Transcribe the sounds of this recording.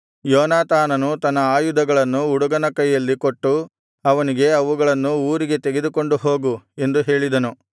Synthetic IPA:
jɔːnaːt̪aːnɐnut̪ɐnːɐaːjud̪ɐɡɐɭɐnːuːɽuɡɐnɐkɐjːɐlːiko̞ʈːu | ɐʋɐniɡe̞ɐʋuɡɐɭɐnːuuːɾiɡe̞t̪eɡe̞d̪uko̞ɳɖuɦo̞ːɡue̞nd̪uɦe̞ːɭid̪ɐnu

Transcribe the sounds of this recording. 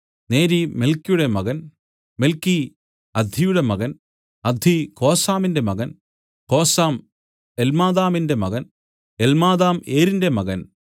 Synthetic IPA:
ne̞ːɾime̞lkːijuɽe̞mɐɣɐn | me̞lkːi | ɐd̪ʱijuɽe̞mɐɣɐn | ɐd̪ʱiko̞ːsaːminde̞mɐɣɐn | ko̞ːsaːm | elmaːðaːminde̞mɐɣɐn | elmaːðaːmeːɾinde̞mɐɣɐn

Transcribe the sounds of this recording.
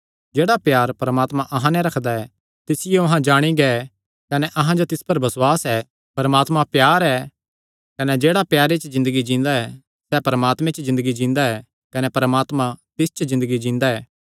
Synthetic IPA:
d͡ʒeːɽapjaːɾpɐɾɐmaːt̪mãʔɐɦãnɛɾɐkʰd̪aɛ | t̪ɪsɪjoɐɦãd͡ʒaːɽ̃iɡɛ | kɐnɛʔɐɦãd͡ʒot̪ɪspɐɾbɐswaːsɛː | pɐɾəmaːt̪mãpjaːɾɛ | kɐnɛd͡ʒeːɽapjaːɾet͡ʃzɪ̃nd̪əɡid͡ʒĩːnd̪aɛ | sɛpɐɾəmaːt̪mẽt͡ʃzɪ̃nd̪əɡid͡ʒĩːnd̪aɛː | kɐnɛpɐɾəmaːt̪mãt̪ɪst͡ʃzɪ̃nd̪əɡid͡ʒĩːnd̪aɛː

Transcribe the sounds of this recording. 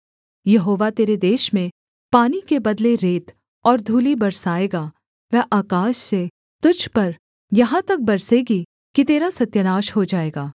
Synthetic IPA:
jɐɦoːʋat̪eːɾed̪eːʃmẽ | paːnikebɐd̪leɾeːt̪ | ɔːɾd̪ʱuːlibɐɾsaːeːɡaː | ʋɛːʔaːkaːʃse | t̪ʊd͡ʒʱpɐɾ | jɐɦãt̪ɐk̚bɐɾseːɡi | kit̪eːɾasɐt̪jənaːʃɦod͡ʒaːeːɡaː

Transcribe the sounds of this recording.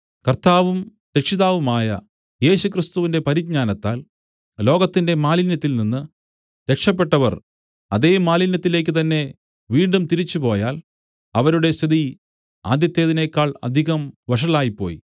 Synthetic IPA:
kɐrt̪aːʋum | ɾe̞kʂiðaːʋumaːjɐ̰ | je̞ːɕukrist̪uʋinde̞pɐɾiɡ̚ɲaːnɐt̪ːa̰ːl | lo̞ːɡɐt̪ːinde̞maːlinjɐt̪ːilninːɨ | ɾe̞kʂɐp̬ːe̞ʈːɐʋɐ̰r | ɐðeːjumːaːlinjɐt̪ːile̞ːk̬ʲːɨt̪ɐnːe̞ | ʋiːɳɖumt̪iɾit͡ɕːupo̞ːjaːl | ɐʋɐɾuɽe̞sɐði | a̰ːd̪jɐt̪ːeːðine̞ːkːaːɭɐ̰d̪ʱiɣɐmʋɐʂ̬ɐɭaːjipːo̞̰ːjḭ

